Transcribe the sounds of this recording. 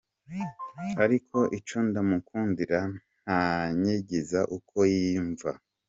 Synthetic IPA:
aɾikʰo̞ʔit͡ʃundamukʰuːndiɾan | aɲeɟezaʔukʰo̞jiːɱva̰

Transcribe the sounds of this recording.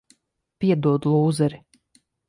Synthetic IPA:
pʲiɛd̪uɔd̪ulˠuːzɛɾi

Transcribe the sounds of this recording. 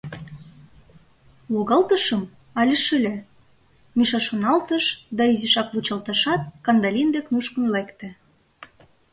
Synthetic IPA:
loɣɑlt̪əʃəm | ɑlʲə̆ʃɘ̆lʲæ | miʃɑʃonɑlt̪əʃd̪ɑiziʃɑkβut͡ɕɑlt̪ɑʃɑt̪̚kɑnd̪ɑlʲind̪eknuʃkə̆nlekt̪ĕ

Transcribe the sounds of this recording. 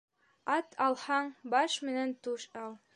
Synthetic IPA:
ɑt̪ʰɑlˠhɑɴbɑʃmɘ̆nænt̪uʃɑlˠ

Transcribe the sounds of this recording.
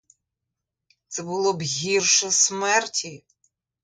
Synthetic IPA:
t̪sɛbʊlˠɔbɦʲirʃɛsmɛrtʲʰi

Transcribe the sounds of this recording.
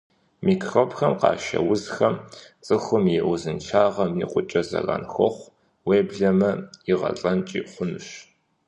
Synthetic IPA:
miːkʰroːpxɐmqɑ̰ːʃɐ̰wzxɐmt͡sʼɨxʷʊmjɛʔʊzɨnt͡ʃʰaːʁɐmiqʷʼʊt͡ʃʼɐzɐ̰rɐ̰nxɔχʷ | weːbɮɐmɐiʁɐ̰ɬʼɐnt͡ʃʼiːχʷʊnɨɕ

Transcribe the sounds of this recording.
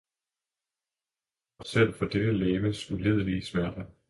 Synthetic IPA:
ɒ̽sel̰fɒ̽d̥ed̥əleːʋəsule̝ð̞̰ˠlismæɐ̰d̥ɐ

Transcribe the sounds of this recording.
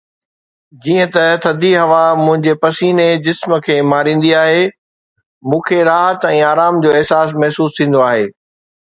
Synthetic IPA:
d͡ʑiːə̃t̪ɐt̪ʰɐd̪ʱiɦɐʋamʊ̃ɦɪ̃ɲd͡ʑepɐsiːned͡ʑɪsmə̆kʰeːmaːɾĩːn̆d̪iaːɦe | mũːkʰeɾaːɦət̪ɛ̃ːaːɾaːmd͡ʑoːɪɦsaːs̬mɐɦsuːst̪ʰĩːn̆d̪oaːɦeː

